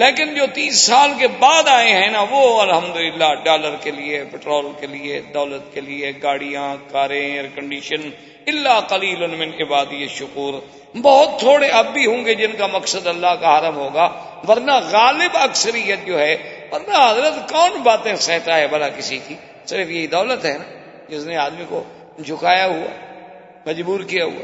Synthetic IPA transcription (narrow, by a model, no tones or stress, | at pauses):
leːkɪnd͡ʒoːt̪iːsːaːlkebaːd̪aːẽɦɛ̃naʋoːɐlɦəmd̪ʊlɪlːaːɖaːləɾkelɪepɪʈɾoːlkelɪeːd̪ɔːlət̪kelɪeɡaːɽijãːkaːɾẽɾkəɳɖiːʃən | ɪlːaːqəliːlʊnmɪnɪbaːd̪iəʃʊkuːɾ | bɔːʊt̪ʰːoːɽeɐbːiɦõːŋɡed͡ʒɪnkamɐksəd̪ɐlːaːɦkaɦaɾəmɦoːɡaː | ʋɐɾnaːɣaːlɪbɐksəɾijət̪̚d͡ʒoːɦɛːʋɐɾnaːɦɐzɾət̪kɔːnbaːt̪ẽsɛɦt̪aɦɛbɐlaːkɪsit̪ʰiː | sɪɾfjɐɦid̪ɔːlət̪ɦɛnaː | d͡ʒɪsneaːd̪miko̰ | d͡ʒʰʱʊkaːjaɦʊa̰ː | mɐd͡ʒbuːɾkijaɦṵa̰ː